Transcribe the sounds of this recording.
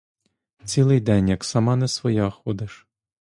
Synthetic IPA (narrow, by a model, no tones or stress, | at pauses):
t͡sʲilˠɪjd̪ɛnʲjɐksɐmɑnɛsʋɔjɑxɔd̪ɪʃ